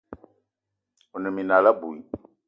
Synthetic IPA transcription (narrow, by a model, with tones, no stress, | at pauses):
u˨nɛ˨mi˨na˨la˦bu˨i˦